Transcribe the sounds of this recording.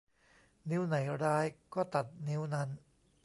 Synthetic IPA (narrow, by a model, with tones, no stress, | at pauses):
ni˦˥wna˩˦jɾaː˥˩jkɔː˥˩t̪a˨˩t̪̚ni˦˥wna˦˥n